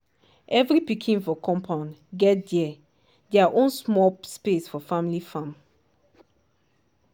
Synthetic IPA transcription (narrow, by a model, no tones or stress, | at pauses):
ʔɛvɾipikʰĩŋfɔkʰɔ̃mpʰãnɡɛdɛ | d̪ɛaʔɔ̃nsmɔspesfɔfamlifãm